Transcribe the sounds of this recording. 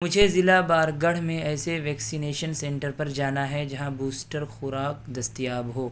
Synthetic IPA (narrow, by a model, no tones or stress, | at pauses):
mʊd͡ʒʱezɪlabaːɾɡɐɽ̤mẽɛːseʋɛːksineːʃənsɛ̃ɳʈəɾpɐɾd͡ʒaːnaɦɛd͡ʒɐɦãbuːsʈəɾxʊɾaːkd̪ɐst̪ijaːbɦoː